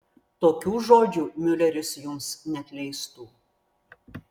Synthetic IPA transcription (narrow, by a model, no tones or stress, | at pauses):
t̪oːkʲuːʒoːd͡ʒʲuːmʲʊlʲɛɾʲɪsjʊmsnʲɛɐt̪ʲlʲɛɪst̪uː